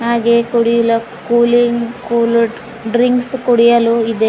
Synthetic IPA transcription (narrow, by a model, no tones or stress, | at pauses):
ɦaːɡekuɽijulɐ | kuːliŋkuːl | ɖɾiŋkskuɽijɐluid̪e